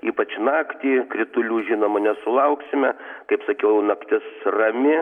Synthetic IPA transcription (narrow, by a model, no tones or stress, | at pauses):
iːpɐt͡ʃnɑːkt̪ʲiːkɾʲɪt̪ʊlʲuːʒʲiːnoːmɐnʲɛsʊlˠɐʊksʲɪmʲɛkɐɪpsɐkʲɛʊnɐkt̪ʲɪsrɐmʲɪ